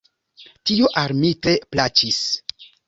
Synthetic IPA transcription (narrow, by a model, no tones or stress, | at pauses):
tioʔaɾmite̞plat͡ʃis